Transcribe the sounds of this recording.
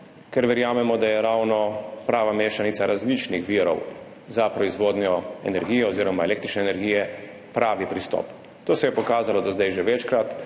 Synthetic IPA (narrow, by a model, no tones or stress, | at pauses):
kɛɾʋɛɾjaːmɛmɔd̪ajɛɾaːwnɔpɾaːʋameːʃanitsaɾʔazlit͡ʃnixʋiɾɔ̰w | zapɾɔizʋoːd̪njɔɛ̰nɛɾɡiːjɛoziːɾɔmaeleːkt̪ɾit͡ʃnɛːnɛɾɡijɛ | pɾaːʋipɾist̪ɔ̰p | t̪oːsɛjɛpɔkaːzalɔd̪ozd̪ajʒeʋɛt͡ʃkɾat̪